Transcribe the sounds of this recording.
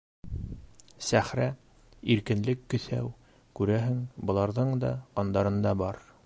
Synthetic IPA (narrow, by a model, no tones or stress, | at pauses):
sæχɾæ | iɾkɘ̆nlɘkːɵ̆θæ̰w | kʉɾæɦɘŋbɤ̆lˠɑɾðɤɴd̪ɑ̰ɑnd̪ɑɾɤ̆nd̪ɑbɑɾ